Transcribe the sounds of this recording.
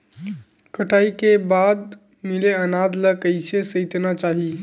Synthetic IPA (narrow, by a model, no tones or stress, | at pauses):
kəʈʰaikebad̪ | mileənad̪ləkəjsesəɪt̪nat͡ʃaɦi